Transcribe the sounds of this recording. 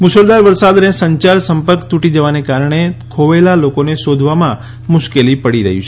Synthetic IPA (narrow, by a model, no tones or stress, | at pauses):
mʊsəld̪aɾʋəɾsad̪nesəɲt͡ʃaɾsəmpəɾkt̪uʈid͡ʒəʋanekaɾɳ̃ekʰoʋelalokoneʃod̪ʱʋamã | mʊʃkelipəɽiɾəɦjṵ̃t͡ʃʰe